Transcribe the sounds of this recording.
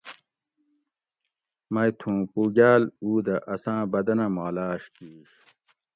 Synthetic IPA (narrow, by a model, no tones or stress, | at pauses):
mɐjt̪ʰũːpuːɡaːluːd̪ɐʔɐsãːbɐd̪ɐnɐmaːlaːɕk̪iːɕ